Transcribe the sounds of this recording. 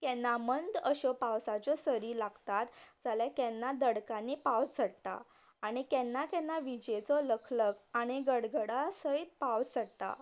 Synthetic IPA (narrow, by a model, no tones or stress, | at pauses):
kɛnːamənd̪əɕɔpawsat͡ɕɔsəɾiːlaɡt̪at̪d͡zaljakɛnːad̪əɽkãnːipawsəɽt̪a̰ː | ɽ̃ikɛnːakɛnːaʋid͡ʑet͡sɔləkʰləkaɽ̃iɡəɽɡəɽasəit̪̚pawsəɽt̪a̰